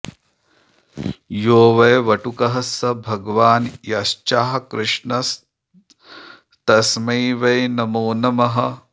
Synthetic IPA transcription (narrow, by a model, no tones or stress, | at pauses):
joːʋɐjʋɐʈukɐɦɐsɐbʱɐɡʋaːnjɐʃt͡ʃaːɦɐkɾɪʂɳɐs | t̪ɐsmɐjʋɐjnɐmoːnɐmɐɦɐ̆